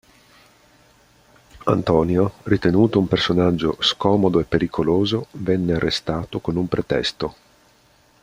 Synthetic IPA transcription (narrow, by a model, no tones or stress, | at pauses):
a̰nt̪ɔːnjorit̪enuːt̪oumpersonad͡ʒːo̰skɔːmod̪oepːeɾikʰoloːzovɛnːearːest̪aːt̪okonumpɾet̪ɛ̰st̪o